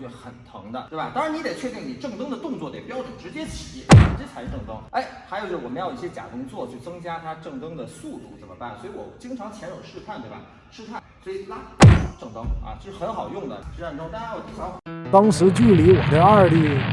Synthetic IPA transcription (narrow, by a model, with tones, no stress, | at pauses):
xə˨˩nt̪ʰʊ˧˥ŋd̪ə̰˧t̪we˥˩ba˨˩t̪ɑ˥ŋɻa˧˥ni˧˥t̪e˨˩t͡ɕʰɥɛ˥˧t̪i˥˩ŋni˨˩ʈ͡ʂɤ˥˧ŋt̪ɤ˥ŋd̪ə˨t̪ʊ˥˧ŋt͡swɔ˥˩t̪e˨˩pjɑ˥ʊʈ͡ʂu˨˩ʈ͡ʂɻ̩˧˥t͡ɕjɛ˥t͡ɕʰi̥˨˩jɛ̰˥˩˥ʈ͡ʂə˥˩t͡sʰʂɻ̩˧ʈ͡ʂɤ˥˩ŋt̪ɤ˥ŋe˥˩ɪxa˧˥ɪjo˨˩ʊt͡ɕo˧˩wɔ˨˩mə˦˥ji˥˩ɕjɛ˥t͡ɕja̰˨˩k̪ʊ˥ŋt͡swɔ˥˩t͡ɕʰy˥˩t͡sɤ˥ŋt͡ɕja˥t̪ʰa˥ʈ͡ʂɤ˥˩ŋt̪ɤ˥ŋd̪ə˨su˥˧t̪u˥˩t͡sə˨˩mə̰˦pa˥˩nswɔ˧˥i˧˥wɔ̰˨˩t͡ɕi˥ŋʈ͡ʂʰɑ˧˥ŋt͡ɕʰjɛ˧˥nɻo˨˩ʊʂɻ̩˥˧pʰa˥˩nt̪we˥˩ba̰˨˩ | ʂɻ̩˥˧pʰa˥˩nswi˨˧˩la˥˩˥ʈ͡ʂɤ˥˩ŋt̪ɤ˥ŋɐ̰˧t͡ɕɤ˥˧˩ʂɻ̩˥˩xə˧˥nxɑ˨˩ʊjʊ˥˩ŋd̪ə̰˩ʈ͡ʂ̩˥a˥˧nʈ͡ʂʊ˥ŋna˥a˥wɔ˧˩i˨˩jɑ˥˩t̪ɑ˥ŋʂɻ̩˧˥t͡ɕy˥˩li˧˥wɔ˨˩t̪ə˥˧ɪa˥˧li˥˩